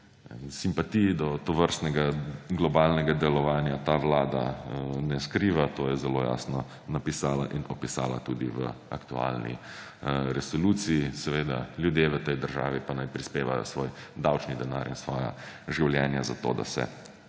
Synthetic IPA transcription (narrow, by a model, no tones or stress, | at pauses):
simpat̪ijid̪ɔt̪ɔʋəɾst̪nɛɡaɡlɔbaːlnɛɡad̪ɛlɔʋaːnjat̪aːʋlaːd̪a̰nɛskɾiːʋat̪oːjɛzɛloːja̰ːsnɔ | napisaːla̰ʔinɔpisa̰ːla̰t̪ud̪iʋə̰a̰kt̪ua̰lnḭ | ɾɛsɔluːt̪siisɛʋeːd̪a̰ljud̪jeʋət̪ɛjd̪əɾʒa̰ːʋipanajpɾispeːʋajɔ̰sʋoːjd̪awt͡ʃnid̪ɛnaːɾinsʋɔːja̰ | ʒiwljɛːnjaza̰t̪o̰ːd̪a̰sɛ̰